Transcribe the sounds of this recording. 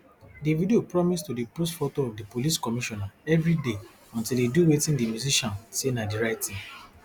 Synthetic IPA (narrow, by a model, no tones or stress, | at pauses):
divideopɹɔmistodipostfotoɔvdipoliskɔmiʃɔnaɛvɾide | ɔ̃ntildeduwetĩndimjuziʃɔ̃nsenadiɾaɪtĩŋ